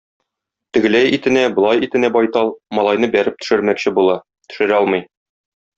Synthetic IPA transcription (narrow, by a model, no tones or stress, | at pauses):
t̪ɵ̆ɡɘ̆læjit̪ɘ̆næbŏlˠɑjit̪ɘ̆næbɒjt̪ɑlˠmɒlˠɑjnɤbæɾɘp̚t̪ɵ̥̆ʃɘ̆ɾmækɕɘbulˠɑ | t̪ɵ̥̆ʃɘ̆ɾɒlˠmɤj